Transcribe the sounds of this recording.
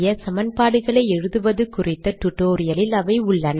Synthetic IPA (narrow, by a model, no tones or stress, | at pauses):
jɐsɐmɐnpaːɽɯɣɐɭɐɪɛɻɯðɯʋɐðɯkʊrɪt̪ːɐʈ̪ʊʈːoːɾɪjɐlɪlɐʋɐɪʊɭːɐn